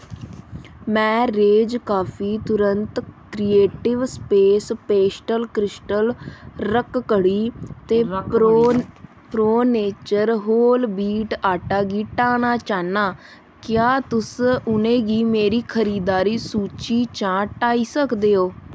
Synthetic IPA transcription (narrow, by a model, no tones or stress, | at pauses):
mɛ̃ːɾeːd͡ʒkaːpʰiːt̪ʊɾənt̪kɾieːʈɪʋspeːspeːsʈəlkɾɪsʈəlɾəkkəɽiːt̪eː | pɾoːneːt͡ʃəɾɦoːlbiːʈaːʈaːɡiːʈaːnaːt͡ʃaːnaː | kɪjaːt̪ʊsʊnẽːɡiːmeːɾiːkʰəɾiːd̪aːɾiːsuːt͡ʃiːt͡ʃãːʈaːiːsəkd̪eːoː